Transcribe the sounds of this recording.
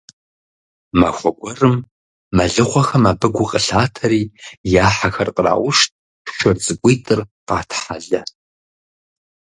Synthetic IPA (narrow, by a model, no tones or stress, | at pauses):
ma̰xʷɔɡʷɔrɨmː | ɐɮɨχʷɔxɐmaːbɨɡʷʊqʼəɬaːtʰɐɾiːjaːħaxɐrqʼəra̰ːʔʷʊʃt̚ʰʼ | ʃɨrzɨɡʷʼijtʼɨrqɑ̰ːtʰħaɮɐ